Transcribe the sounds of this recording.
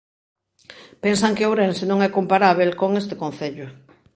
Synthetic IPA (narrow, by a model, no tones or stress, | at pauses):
pensaŋkɪowɾɛnsenõŋɛkompaɾaβ̞elkoŋest̪ɪkõnθeʎʊ